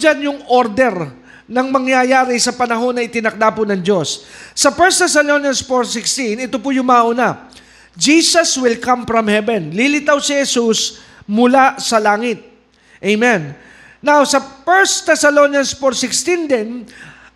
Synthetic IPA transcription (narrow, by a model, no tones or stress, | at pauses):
d͡ʒanjʊŋoɾd̪ɛɾ | nɐŋmɐŋjajaːɾɪsɐpɐnɐɦo̞nːɐɪt̪ɪnɐk̚d̪apʊnɐŋd͡ʒo̞sːɐfɛɹst̪ɛsɐlonjɐnsfoɹsɪkst̪inɪt̪op̬ʊjʊŋmaʔʊna | d͡ʒisɐswɪlkɐ̃mfɹɐmhɛvɛnlilɪt̪awsɪhɛsus | mʊlasɐlaːŋɪt̪̚ | ʔejmɛ̃nː | awsɐpɛɹst̪ɛsɐlonjɐnsfoɹsɪkst̪ind̪ɛn